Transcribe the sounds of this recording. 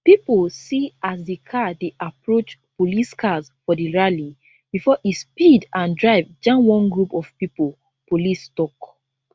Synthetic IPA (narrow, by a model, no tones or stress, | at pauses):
pipulsiasdekʰadeʔapɹot͡ʃpoliskʰasfɔdiɹali | b̥ifɔʔispidãndɹaɪvd͡ʒãmwɔ̃nɡɹupɔv̥pipol | polistɔk